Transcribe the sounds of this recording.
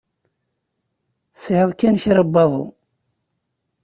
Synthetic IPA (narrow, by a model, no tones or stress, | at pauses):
sʕəðˤkːænçɾəbːɑðˤṵ